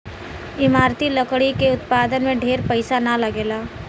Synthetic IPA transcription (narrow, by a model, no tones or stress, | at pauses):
ɪmaːɾt̪ilɐkɽikeʊt̪paːd̪ənmẽɖʱeːɾpɐɪsanalɐɡeːlaː